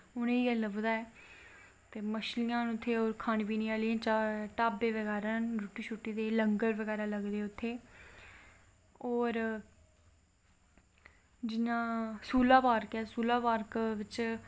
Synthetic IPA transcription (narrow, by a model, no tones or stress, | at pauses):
ʊnẽːɛːləbd̪aːɛː | t̪eːməʃlɪjãːnʊt̪ʰːeːoːɾkʰaːnːpiːnĩːaːliãːt͡ʃaːʈaːbeːʋəɡɛːɾaːnɾuːʈiːt͡ʃʰuːʈːiːd̪eːləŋɡəɾʋəɡɛːɾaːləɡd̪eːʊt̪ʰːeː | ɔːɾ | d͡ʒɪnãːsuːlaːpaːɾkɛːsuːlaːpaːɾkʋɪt͡ʃ